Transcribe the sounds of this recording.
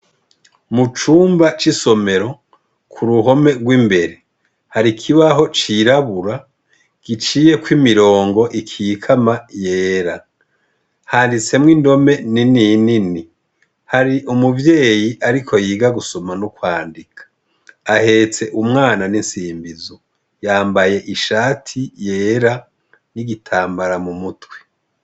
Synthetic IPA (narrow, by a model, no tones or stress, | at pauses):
mut͡ʃuːmbat͡ʃiso̞me̞ɾo̞ | kʰuɾuɦo̞me̞ɡwimbe̞ɾe | haɾikʰiβaɦo̞t͡ʃiɾaβuɾa | ɡ̥it͡ʃiːjekwimiɾo̞ːŋɡo̞ʔikʰikʰamaje̞ːɾa | haːndit͡se̞mŋindo̞me̞nininini | haɾiʔumuvje̞ːjiʔaɾikʰo̞jiːɡaɡusomanukwaːndikʰḁː | he̞t͡se̞ʔumŋaːnaninsiːmbizo | jaːmbaje̞ʔiʃaːtʰije̞ːɾa | niɡitʰaːmbaɾamumutwe̥